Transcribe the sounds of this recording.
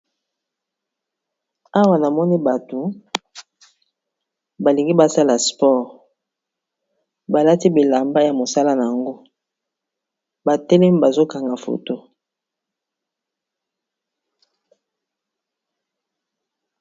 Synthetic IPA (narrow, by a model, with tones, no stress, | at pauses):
a˦wa˨na˨mɔ˦ni˦ba˨to˨ | ba˨li˨ŋɡi˦ba˦sa˦la˨spɔ˦ʁ | ba˨la˦ti˦bi˨la˨mba˦ja˨mo˨sa˦la˦na˨ŋɡo˦ | ba˨tɛ˦lɛ˦m˦ba˨zo˦ka˨ŋɡa˨fo̰˨to˦